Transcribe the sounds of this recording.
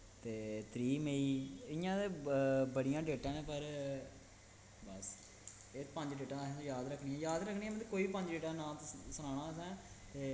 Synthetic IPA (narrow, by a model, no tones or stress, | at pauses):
t̪eːt̪ɾiːmeiːɪjãːebəɽijãːɖeːʈãːnẽːpəɾ | bəs | eːpəɲd͡ʒɖeːʈãːsːjaːd̪ɾəkʰːɳiːãːjaːd̪ɾəkʰniːɛ̃ːmẽt̪eːkoːiːpəɲd͡ʒɖeːʈaːnãːt̪səñaːɽ̃aːəs̬ɛ̃ː | t̪eː